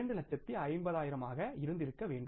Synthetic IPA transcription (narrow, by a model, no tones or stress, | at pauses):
ɐɳɖɯlɐʈ̚t͡ʃːɐt̪ːiɐɪmbɐðaːjɪɾɐmaːɣɐɪɾɯnd̪ɪɾɯkːɐʋeːɳɖɯ